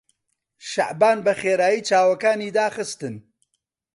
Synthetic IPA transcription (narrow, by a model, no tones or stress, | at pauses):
ʃaʔbaːnbɐχeːɾaːjiːt͡ʃaːwɐkaːniːd̪aːχɨst̪ɨn